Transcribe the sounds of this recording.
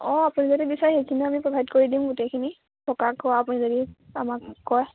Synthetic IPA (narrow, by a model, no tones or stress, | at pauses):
ɔ̃apunizodibisajxejkʰiniamipɹɔbʱaidkoɹidĩmɡutejkʰini | tʰɔkakːɔaːpunizodiamakːɔj